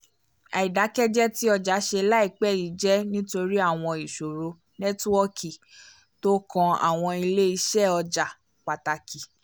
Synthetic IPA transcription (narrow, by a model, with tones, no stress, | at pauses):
a̰˨i˨da˨˦kɛ˦d͡ʒɛ˦ti˦ɔ˧d͡ʒa˨˦ʃe˧la˦i˦˨k͡pɛ˦˨i˨˦d͡ʒɛ˦nĩ˦to˧ɾi˦a˦˨w̃ɔ̃˧i˨ʃo˨ɾo˨˦ | nɛ˦tu˦ɔ˦kʰi˨ | to˦kɔ̃˧a̰˨w̃ɔ̃˧i˧le˦i˧ʃɛ˦˨ɔ˧d͡ʒa˨ | k͡pa˨ta˧ki˨